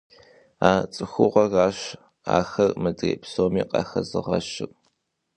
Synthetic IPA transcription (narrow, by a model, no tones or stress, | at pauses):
aːt͡sʼɨxʷʊʁʷɐɣaːɕ | a̰ːxɐrmɨtʼḭpsoːmiːqʼɑ̰xɐzɨʁɐ̰ɕɪr